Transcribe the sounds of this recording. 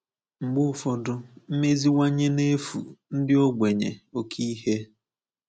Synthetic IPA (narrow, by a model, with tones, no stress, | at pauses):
ŋ͡m̩˨ɡ͡bʊ˦ʊ˦fɔ˨dʊ˦m̩˦me˦zi˦wa˦ɲe˦ne˦fṵ˨n̩˦dɪ˦o˦ɡʷe˨ɲḛ˨o˨kʰi˦ɦe˦